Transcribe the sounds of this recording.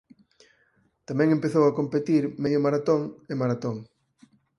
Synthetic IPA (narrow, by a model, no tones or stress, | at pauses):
t̪amɛ̃ŋẽmpeθowakompet̪iɾmeðjomaɾat̪oŋemaɾat̪oŋ